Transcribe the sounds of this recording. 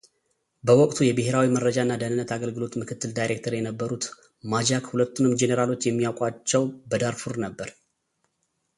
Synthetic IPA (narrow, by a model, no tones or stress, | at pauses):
bəwɔkʼt̪ʰujɛbɨɦe̞ɾawimərːəd͡ʒaɨnːad̪ənɨnːət̪ʰaɡəlɡɨlo̞t̪mɨkʰɨt̪ʰːɨld̪ajɾe̞k̚t̪ʰəɾjɛnəbːəɾut̪ | mad͡ʒakhulət̪ːunɨmd͡ʒe̞neɾalo̞t͡ʃːjɛmːijawkʼwat͡ʃːɛwbəd̪aɾfuɾnəbːəɾ